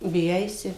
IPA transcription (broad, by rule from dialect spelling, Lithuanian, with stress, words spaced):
bʲɪˈjɛɪsʲɪ